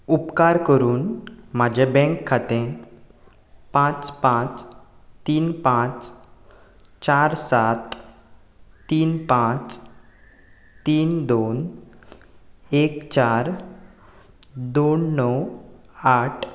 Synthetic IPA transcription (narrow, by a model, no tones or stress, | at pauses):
upkaɾkəɾuːnmad͡ʑʱebɛ̃ŋkʰːat̪ẽ | pãt͡spãt͡st̪iːnpãt͡s | t͡ɕaɾsat̪ | iːnpãt͡s | t̪iːnd̪on | ekt͡ɕaɾ | d̪onːɔwaʈʰ